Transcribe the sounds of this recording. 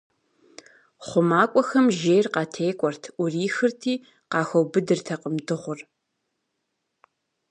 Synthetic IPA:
χʷʊmaːkʷʼɔxɐmʒeːjrqɑːtʰeːkʷʼɔrtʰʔʊriːxɨrtʰiː | qɑːxʷɐwbɨdɨrtʰɐqʼəmdɨʁʷʊr

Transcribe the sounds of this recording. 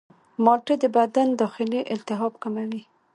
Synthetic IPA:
mɑʈed̪əbad̪and̪ɑxɪliʔɪlt̪ɪɦɑb̚kamawi

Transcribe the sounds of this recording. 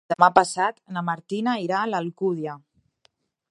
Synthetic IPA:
əmapasat̪ənamaɾt̪inaiɾalalkuðja

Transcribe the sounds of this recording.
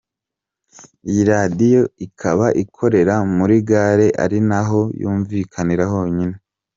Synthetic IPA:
ijiɾaːdijo̞ikʰaβaʔikʰo̞ɾe̞ɾamuɾiɡaːɾe̞ʔa̰ɾinaɦo̞jṵːɱvikʰaniɾaɦo̞ːɲine

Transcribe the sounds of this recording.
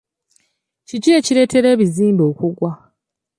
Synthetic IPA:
cit͡ʃieciɾe̞ːtʰe̞ɾe̞ːβiziːmbo̞ːkuɡwa

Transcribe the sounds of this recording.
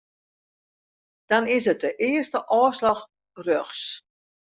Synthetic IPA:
d̥ɔnɪsət̚dəʔɪərstəʔɔːslɑx | røxs

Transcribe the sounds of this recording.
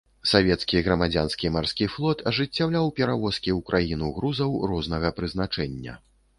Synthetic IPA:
savʲɛt̪skʲiɣɾɐmad͡zʲanskʲimarskʲiflˠɔt̪ʰɐʐɨt͡sʲːawlʲawpʲɛɾavɔskʲiukɾʔajinuɣɾuzɐwrɔzn̪ɐɣɐpɾɨznat͡ʂɛnʲːɐ̰

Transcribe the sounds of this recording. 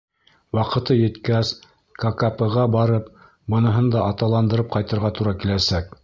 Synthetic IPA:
wɑqɤ̆t̪ɤjɘ̆t̪kæs | kakapɤ̆ʁɑbɑɾɤp | bɤ̆nɤ̆ɦɤnd̪ɑʔɑt̪ɑlˠɑnd̪ɤ̆ɾɤp̚qɑjt̪ɤ̆ɾʁɑt̪uɾɑkilæsæk

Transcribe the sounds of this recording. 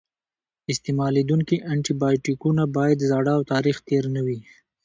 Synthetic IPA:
ɪst̪emɑled̪uŋkiʔaɳʈibɑjʈikunabɑjad̪zɑɽaːwt̪ɑɾixt̪eɾnawi

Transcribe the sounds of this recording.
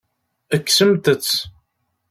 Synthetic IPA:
əkːsəmt̪ət͡sː

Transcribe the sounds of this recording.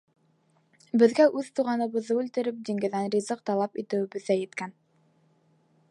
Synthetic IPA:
bɘ̆ðɡæʔʉðt̪uʁɑnɤ̆βɤ̆ðːɤʉlt̪ɘ̆ɾɘp̚d̪iŋɡɘ̆ðænrʲizɤq̚t̪ɑlˠɑpit̪ɘ̆wɘ̆βɘ̆ðːæjɘ̆t̪kæn

